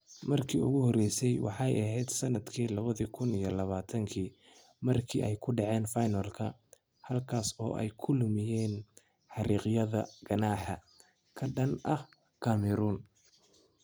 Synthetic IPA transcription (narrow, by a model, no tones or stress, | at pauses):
mɐrkʰiːʊ̰ɣʊhɔɾɛjsɛjwɑ̰ħɑjɐɦɛjd̪sɐnɐd̪kʰiːlɐβɐðikʰʊnijɔlɐβaːt̪ʰɐŋkʰiː | mɐrkʰḭːʔɛjkʰʊɖɑʕɛːnfajnɐlkʰɐ | hɐlkʰaːsɔ̰ːʔɛ̰jkʰʊlʊmɪjɛːn | ħɑɾiːqjɐðɐɡ̥ɐnɑːħɐ | kʰɐɖɐnɐh | kʰɐmɛɾuːn